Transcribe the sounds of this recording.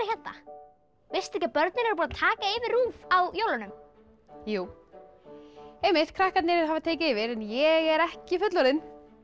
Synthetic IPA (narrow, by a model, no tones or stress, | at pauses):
ɪçjɛt̪na̰ | vɪst̪ɛhcapœɾt̪nɪnɛɾpɔːnat̪ʰaːkaɪvɪɾruːfawjowlanʏm | juː | ejmɪt̪kʰɾahkat̪nɪɾɪɾɦavat̪ʰeːjc̬ɪɪvɪɾɛnjɛɣɛɾɛhcɪfʏt̪lɔɾɪn